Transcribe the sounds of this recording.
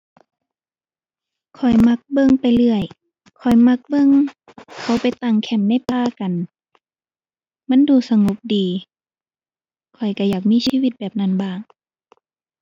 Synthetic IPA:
kʰɔ˨˩jma˧˥k̚bɤ˧˥˨ŋpa˨jlɯ˧˩əj | kʰɔ˨˩jma˧˥k̚bɤ˧˥˨ŋ | kʰa˧˩wpa˨jt̪a˧˩ŋkʰɛ˧˩mna˧˥˨jpaː˧ka˨n | ma˧˥˨nduː˧˩sa˧ŋo˧˦p̚diː˨ | kʰɔ˨˩jka˧˩jaː˨˩k̚miː˧˥˨siː˧˨wi˧t̪̚bɛː˨˩p̚na˧˩˨nbaː˧˩ŋ

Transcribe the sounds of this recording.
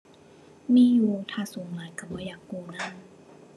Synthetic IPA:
miː˧˥˨juː˨˩t̪ʰaː˧˩suː˨˩˦ŋlaː˨˦jka˨˧˩p̚bɔː˧˦jaː˨˩kːuː˧na˧˥˨n

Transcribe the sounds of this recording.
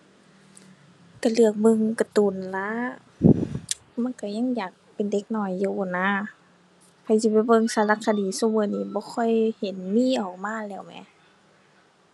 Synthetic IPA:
k̪a˧˩lɯ˧˩ək̚mɯ˧˨ŋka˧˦t̪uː˨˩nla˧˦˥ | ma˧˥˨nka˧˩ɲa˧˥˨ŋjaː˨˩k̚pe˨nde˧˦k̚nɔː˧˩˨jːu˧bɔː˧˩naː˧˥˨ | hʰa˧˩jsi˧˦pa˧˦bɤ˧˨ŋsaː˧˦la˧˥kʰːa˧˨diː˨˦soː˧˦˨mɤː˧˨niː˧˦bɔː˧˦kʰɔ˧˥˨jhe˨˦nmiː˧˥˨ʔɔː˨˩k̚maː˧˥˨lɛː˧˩˨wmɛ̰˧˦

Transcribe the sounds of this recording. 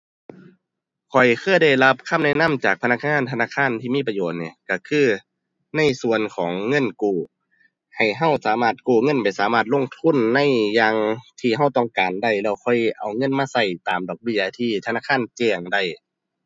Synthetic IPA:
kʰɔ˨˩jkʰɯː˧˥˨jda˧˩jla˧˥p̚kʰa˧˥˨mnɛ˧˥˨na˧˥˨mt͡ɕaː˨˩k̚pʰna˧˥k̚ŋaː˧˥˨nt̪ʰa˧naː˧˥˨kʰaː˧˥˨nt̪ʰiː˧˨miː˧˥˨p̬a˧joː˨˩t̪̚niː˧˨ka˧˩kʰɯː˧˩ | na˧˥˨jsu˧˨ənkʰɔː˨˦ŋːɤ˧˥˨nkuː˧˩ | ha˨˩jɦa˧˩˨wsaː˨˦maː˧˩t̪̚kuː˧˩ŋɤ˧˥˨npa˨jsaː˨˦maː˧˩t̪̚lo˧˥˨ŋt̪ʰu˧˥˨nːa˧˥˨jːaː˧ŋt̪ʰiː˧˩ɦa˧˩˨wt̪ɔ˧˩˨ŋkaː˨nda˧˩jlɛː˧˩wkʰɔ˧˩jʔa˨˩wŋɤ˧˥˨nmaː˧˨sa˧˩jt̪aː˨mdɔː˨˩k̚bi˧˩˨t̪ʰiː˧t̪ʰa˧naː˧˥˨kʰaː˧˥˨nt͡ɕɛː˧˩ŋda˧˩j

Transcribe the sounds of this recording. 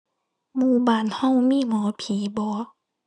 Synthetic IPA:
muː˧˩baː˧˨˩nha˧˥˨wmiː˧˥˨mɔː˨˦pʰiː˨˦bɔː˨˧˦

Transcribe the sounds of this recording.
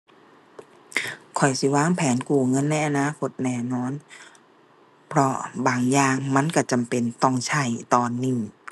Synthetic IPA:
kʰɔ˨˩jsi˧˦waː˧˥˩ŋpʰɛː˨˦nkuː˨˩ŋɤ˧˥˨nːa˧˥˩jʔa˧naː˧˥˨kʰo˧˥t̪̚nɛː˧˩nɔː˧˥˨n | pʰɾɔ˧˥baː˨˩ŋjaː˧ŋma˧˥˨nka˧˩t͡ɕa˨mpe˨nt̪ɔ˧˥˩ŋt͡ɕʰa˧˥˩jt̪ɔː˧nːi˧˩

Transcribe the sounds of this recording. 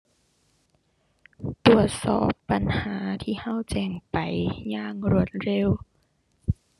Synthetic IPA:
t̪u˧˩ət̪̚sɔ̰ː˧˩pːa˨˦nhaː˨˩˦t̪ʰiː˧˩˨ha˧˥˨wt͡ɕɛː˧˩ŋpa˨˦jɲaː˧˥˨ŋɾu˧˩ət̪̚ɾe˧˥˨w

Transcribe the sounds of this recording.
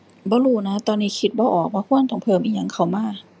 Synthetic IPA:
bɔː˧˦luː˧˩na˧˦˥t̪ɔː˧nːiː˦˧˥kʰi˧t̪̚bɔː˧˦ʔɔː˨˩k̚baː˧˦kʰu˧˥˨ənt̪ɔ˧˩ŋpʰɤː˧˩˨mʔiː˧˩ja˧˥ŋkʰa˧˩wmaː˧˥˨

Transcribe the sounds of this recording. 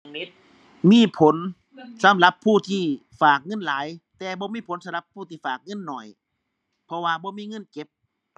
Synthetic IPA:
ni˦˥t̪̚ | miː˧˥˨pʰo˨˦n | sa˨˦mla˧˦pʰːuː˧˩t̪ʰiː˧˩ | faː˨˩k̚ŋɤ˧˥˨nlaː˨˦jt̪ɛː˨˧bɔː˧˦miː˧˥˨pʰo˨˦nsa˧˦mla˧˦pʰːuː˧˩t̪ʰiː˧˩faː˨˩k̚ŋɤ˧˥˨nːɔ˨˩j | pʰɔ˧waː˧bɔː˧˦miː˧˥˨ŋɤ˧˥˨nke˨˧˦p̚

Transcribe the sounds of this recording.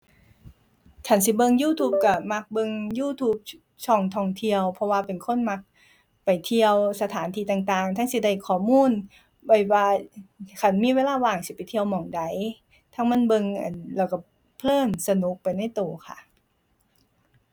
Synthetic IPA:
t͡ɕʰa˧˥˩nsi˧˦bɤ˧˨ŋjuː˧˩t̪ʰuː˧˩p̚ka˧˩ma˧˥k̚bɤ˧ŋjuː˧˥˨t̪ʰuː˧˥p̚ | t͡ɕʰɔː˧˩ŋt̪ʰɔː˧ŋt̪ʰi˧əwpʰɔ˧waː˧pe˨nkʰo˧˥˨nma˧˥k̚ | pa˨˩jt̪ʰi˧əwsa˧t̪ʰaː˨˦nt̪ʰiː˧t̪aː˨˩ŋt̪aː˨˩ŋt̪ʰa˧˥˨ŋsi˧˩da˧˩jkʰɔː˨˩muː˧˥˨n | bɔ˧˩jwaː˧kʰa˧˩˨nmiː˧˨weː˧˥˨laː˧˥˨waː˨˩ŋsi˧˦pa˨˩jt̪ʰi˧ə˧wmɔː˨˩ŋda˨˦j | t̪ʰa˧˥˨ŋma˧˥˨nbɤ˧ŋʔa̰˧˩nlɛː˧˩wka˧˩ | pʰlɤː˧˥˩nsa˧nu˧˦k̚pa˨jna˧˥˩jt̪oː˨˩kʰa̰˧˩ʔ

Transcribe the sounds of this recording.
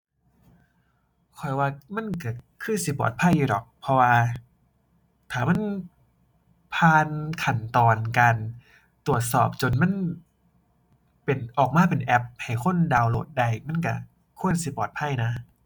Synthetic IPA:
kʰɔ˨˩jwaː˧ma˧˥˨nka˧˩kʰɯː˧˥˨nsi˧˦pɔ̰ː˨˩t̪̚pʰa˧˥˨jːuː˧˩ɾɔ˨˩k̚pʰɔ˧waː˧ | t̪ʰaː˨˩ma˧˥˨n | pʰaː˧nkʰa˨˩nt̪ɔː˨˩nkaː˧n | t̪u˨˩ət̪̚sɔ̰ː˨˩p̚t͡ɕo˧˩nma˧˥˨n | pe˨nʔɔː˨˩k̚maː˧˥pe˨˩nʔɛ˧˥p̚ha˨˩jkʰo˧˥˨ndaː˧wlo̰ː˧˩t̪̚da˧˩˨jma˧˥˨nka˧˩ | kʰu˧˥˩ə˨nsi˧˦pɔː˨˩t̪̚pʰa˧˥˨jna˦˥

